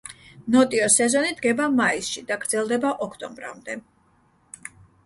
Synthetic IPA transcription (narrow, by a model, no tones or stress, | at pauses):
nɔt̪ʼiɔsɛzɔnid̪ɡɛbamaisʃid̪aɡɾd̪zɛlˠd̪ɛbaʔɔkʰt̪ʼɔmbɾa̰md̪ɛ